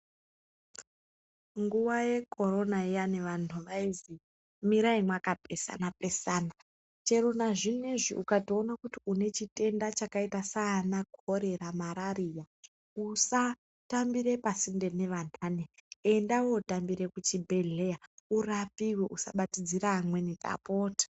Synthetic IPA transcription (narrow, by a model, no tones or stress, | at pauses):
ŋɡuʋaje̞kʰo̞ɾo̞naijaneʋantʰuʋaizi | miɾaimwakapesa̰napesaːna | t͡ʃe̞ɾonaʐineʐḭʔukatio̞nakutiune̞t͡ʃite̞ndat͡ʃakaitasaːnakoɾe̞ɾamaɾaɾija | usa | tambiɾe̞pasinde̞ne̞ʋan̤aːneendawo̞utambiɾe̞kut͡ʃibʱe̞ɮe̞jaurapiweʔusa̰ɓatid͡ziɾaːmwe̞nitʼa̰potḁ